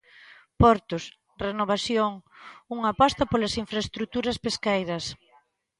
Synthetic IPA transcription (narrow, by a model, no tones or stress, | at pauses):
pɔɾt̪ʊs | renoβ̞aθjoŋuŋapast̪ɐpolasiɱfɾaest̪ɾut̪uɾɐspeskejɾɐs